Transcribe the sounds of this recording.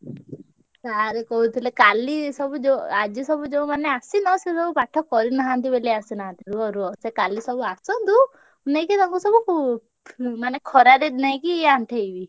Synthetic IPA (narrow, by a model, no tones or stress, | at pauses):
t̪aɦaɾekɔɦut̪ʰilekalisɔbud͡ʒead͡ʒisɔbud͡ʒeũmaneasinɔsesɔbupaʈʰːɔkɔɾinaɦant̪ibeliasinaɦãnt̪iɾuɔɾuɔsekalisɔbuasɔnt̪u | nejkit̪ɔŋkusɔbuku | manekʰɔɾaɾednaj̃kieaɳʈʰeibi